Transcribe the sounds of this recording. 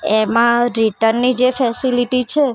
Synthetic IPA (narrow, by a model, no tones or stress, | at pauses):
emãɾiʈəɾnːid͡ʒefɛsiliʈit͡ʃʰe